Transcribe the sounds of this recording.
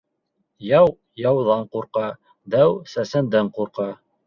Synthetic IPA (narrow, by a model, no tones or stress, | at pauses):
jɑw | jɑwðɑɴquɾqɑ | d̪æwsæsɘ̆nd̪ɘɴquɾqɑ